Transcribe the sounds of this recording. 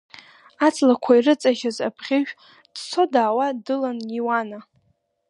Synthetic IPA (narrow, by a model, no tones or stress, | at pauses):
at͡sʰʼlakʷʰairɨt͡sʼaʒaza̰pʰχʲɪʒᶣ | d̥t͡sʰodaːwadɨlanjiwana